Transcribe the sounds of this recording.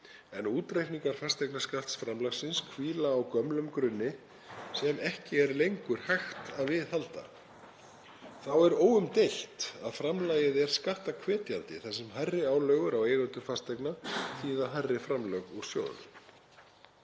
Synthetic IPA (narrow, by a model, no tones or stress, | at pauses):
ɛnuːt̪ɾejhniŋkaɾ̥fast̪ajknaskal̥t̪sfɾamlaxsɪnskʰviːlaːwkœmlʏmkɾʏnːɪ | sɛmɛhcɪɛɾlejŋkʏɾ̥hajxt̪aðvɪðhalt̪a̰ | θawɛɾoːwʏmt̪ejlt̪aðfɾamlaːjɪðɛɾ̥skaht̪akʰvɛːt̪ja̰lt̪ɪ̰θɛsːɛmɦarːɪaːwlœːɣʏɾawejɣʏnt̪ʏ̥fast̪ajknaθiːðaɦarːɪfɾamlœɣuɾ̥sjo̰ːwðnʏ̰m